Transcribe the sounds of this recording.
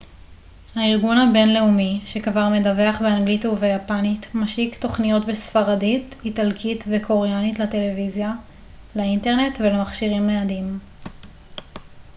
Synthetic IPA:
haiʁɡunhabe̞nleumiʃe̞kvaʁme̞dave̞aχbeanɡlituvejapanitmaʃikto̞χnijo̞tbesfaʁadititalkʰitvekʰo̞ʁejanitlate̞le̞vizja | lainte̞ʁne̞tvelemaχʃiʁimːeadim

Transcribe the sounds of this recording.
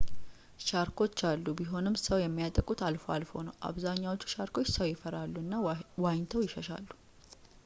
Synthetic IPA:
ʃaɾkʰo̞t͡ʃːalːubiɦo̞nɨmːsəwjɛmːijat̪ʼəkʼːut̪ʰalfowa̰lfo̞̰nəwʔa̰βzaɲːawo̞t͡ʃːu̥ʃaɾko̞t͡ʃːsəwjɪfəɾalːuɨnːawajɲt̪ʰəwjɪʃəʃa̰lːu̥

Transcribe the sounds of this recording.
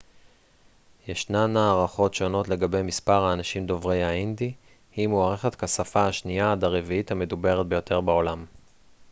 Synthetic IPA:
jeʃnamnaːʁaχo̞tʃo̞no̞tle̞ɡabe̞jmispaʁhaːnaʃimd̪o̞vʁe̞jaind̪i | himoaʁeχetkasafaaʃniaad̪aʁeviithame̞dube̞ʁet̪̚bejo̞tʰe̞ʁbeo̞lam

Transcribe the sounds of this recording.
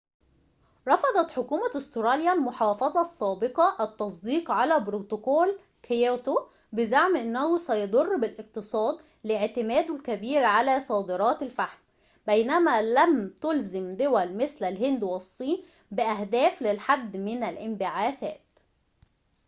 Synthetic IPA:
ɾˤɑfɑd̪ˤɑt̪ħokuːmæʔost̪ɾˤɑljælmoħɑːfɑzˤɑsˤːɑːbeqɑʔæt̪ːɑsˤd̪iːqʕalæbɾot̪okoːl | kʰjot̪o | bɪzaʕmʔɪnːæhʊsæjɑd̪ˤorˤːbɪlʔɪq̚t̪ɨsˤɑːd̪ | lɪʕt̪ɪmæːd̪ʊlkæbiːɾʕalæsˤɑːd̪ɨɾˤɑːt̪ælfaħm | bæjnæmæːlæmt̪ʊlzɪmd̪ʊwælmɪslælɦɪnd̪wesˤːiːn | bɪʔæhd̪æːflɪlħad̪ːmɪnælʔɪmbɪʕaːθæːt̪

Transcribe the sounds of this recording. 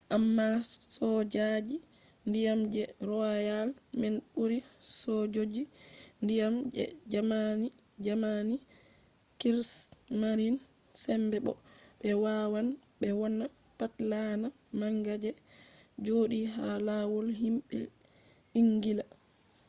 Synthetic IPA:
ʔamːasɔd͡ʒad͡ʒi | ndijamd͡ʒɛɾɔjalmɛnɓuɾisɔd͡ʒod͡ʒindijamd͡ʒɛ̰d͡ʒamani | d͡ʒamani | kiɾsmaɾin | sɛmbɛɓɔ̰ɓɛwawanɓɛwɔnːa | patlana | maŋɡad͡ʒɛd͡ʒoːɗiɦalawɔlɦimɓɛ̰ | iŋɡila

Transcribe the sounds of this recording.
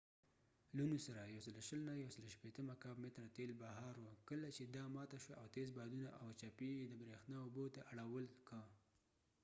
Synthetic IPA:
lunusaɾajawsəloʃəlnajawsəloʃpet̪əmakɑbmet̪ɾat̪elbaɦɑɾwəkəlat͡ʃed̪ɑmɑt̪aʃwaawt̪ezbɑd̪unaʔawt͡ʃapid̪əbɾexnɑʊbot̪aʔaɽawəlkə

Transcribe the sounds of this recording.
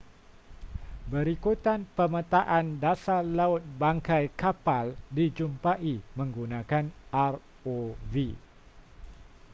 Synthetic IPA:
bəɾikut̪anpəmə̃t̪aʔandasalaʊt̪̚baŋkajkapaldid͡ʒumpaʔimə̃ŋɡunãkanar | ovi

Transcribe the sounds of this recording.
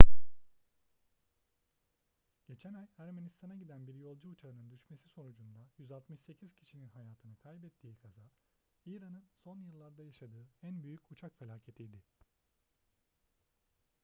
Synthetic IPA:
ɟ̥e̞t͡ʃʰænajæɾmenist̪ʰanaɟid̪ænbiɾjo̞lˠd͡ʒuːt͡ʃʰaɯnɯnd̪yʃme̞siso̞nud͡ʒund̪ajyzalˠt̪mɯʃse̞cʰiz̥cʰi̥ʃininɦajaːt̪ʰɯnɯkʰajbɛt̪ʰːiːkʰaza | iɾanɯnso̞njɯlˠːaɾd̪ajaʃad̪ɯːænbyjycut͡ʃʰakfe̞lʲaːcʰe̞t̪ʰijd̪ɪ

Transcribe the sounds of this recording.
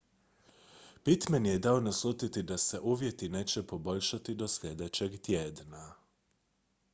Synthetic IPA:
pit̪menjed̪ao̞naslˠut̪it̪id̪ase̞ʔuːʋje̞t̪ine̞ːt͡ɕepo̞bo̞ʎʃat̪id̪o̞sʎʲe̞d̪et͡ɕeɡt̪jeːd̪na

